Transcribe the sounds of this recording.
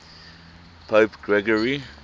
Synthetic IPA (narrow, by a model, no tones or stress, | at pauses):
pʰoːpɡɹɛɡəɹi